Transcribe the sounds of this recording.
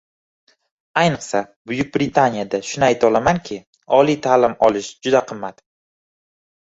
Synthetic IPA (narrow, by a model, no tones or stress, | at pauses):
ajnɨqsabʊjʊk̚ʲbɾɪt̪ʰanijad̪aʃʊnɪajt̪ʰɒlamankʲʰɪ | ɒlit̪ʰaːlɪmɒlɪʃd͡ʒʊd̪aqʰɨmːat̪